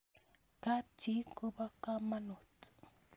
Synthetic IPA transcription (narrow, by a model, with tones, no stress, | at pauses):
ka˦t͡ʃi˦ko˦ba˦ka˦ma˦no˨t